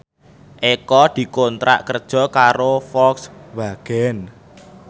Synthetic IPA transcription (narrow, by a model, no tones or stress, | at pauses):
ʔekɔd̪̥i̤kont̪ɾa̰ʔkərd̥ʒ̥ɔ̤kaɾofɔksbaɡ̥ɛn